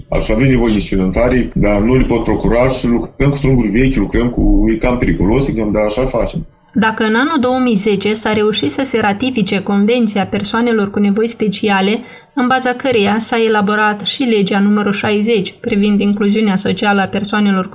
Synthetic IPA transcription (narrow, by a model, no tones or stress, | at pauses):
a̰savemnevojed̪esfinant̪aɾejd̪anulʲepo̞t̪̚pɾo̞kuɾaʃilukɾəmku̥t̪ɾuŋɡuɾʲve̞kʲlukɾəmkuikampe̞ɾikulo̞sikamd̪aːʃafat͡ʃem | d̪akəɨnanuld̪o̞wəmijze̞t͡ʃe̞saɾe̞uʃit̪səse̞ɾat̪ifit͡ʃe̞ko̞nve̞nt̪siape̞rsoane̞lo̞rkune̞vo̞jspe̞t͡ʃiale̞ | ɨnbazakəɾejasae̞labo̞ɾat̪ʃile̞d͡ʒeanuməɾuʃajze̞t͡ʃʲpɾivind̪iŋkluziuneaso̞t͡ʃialəape̞rsoane̞lo̞r